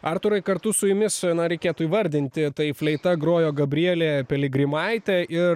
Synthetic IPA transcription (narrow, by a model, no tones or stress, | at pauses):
ɐrt̪ʊɾɐɪkɐɾt̪ʊsʊjʊmʲɪsnɐɾʲɛɪkʲeːt̪ʊiːʋɐɾʲd̪ʲɪnʲt̪ʲɪt̪ɐɪfʲlʲɛɪt̪ɐɡɾoːjoːɡɐbʲɾʲiɛlʲeːpʲɛlʲɪɡɾʲɪmɐɪt̪ʲɛʔɪ